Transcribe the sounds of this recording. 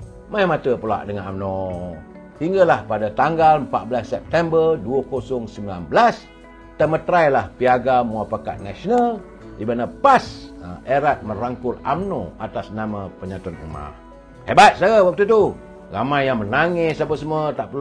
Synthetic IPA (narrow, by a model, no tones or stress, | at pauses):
majamat̪əpəla̰ʔdəŋana̰mno | hiŋɡalahpadat̪aŋɡalmpat̪̚bəlasːɛp̚t̪ɛmbərduəkosɔŋsəmbila̰nbəlas | t̪əmət̪ɾajlahpiaɡamuapaka̰t̪̚nasonal | ibanapaseɾat̪̚məɾaŋkʊlamnoat̪asnamapəɲat̪uanṵma̰ | hebat̪̚saəwak̚t̪ut̪u | ramajːaŋmənaŋɪsapəsəmət̪aʔpəl